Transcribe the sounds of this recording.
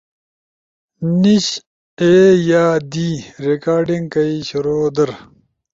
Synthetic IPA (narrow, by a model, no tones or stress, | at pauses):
niɕ | eːjaːd̪iːɾekaːɾɖiŋɡkɐiɕɐɾoːd̪ɐɾ